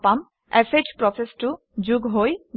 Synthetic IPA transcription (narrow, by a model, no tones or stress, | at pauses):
pam | ɛsed͡ʑpɾɔsesʈu | d͡ʑuɡɦoj